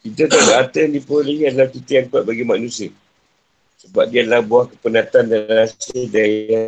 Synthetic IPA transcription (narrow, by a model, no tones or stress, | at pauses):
kit̪ət̪aɡaʔːt̪əndipoləhiadəlahkit̪əjaŋkuat̪̚baɡimanũsiə | səbap̚diadalahbuahkəpənat̪andalasədaia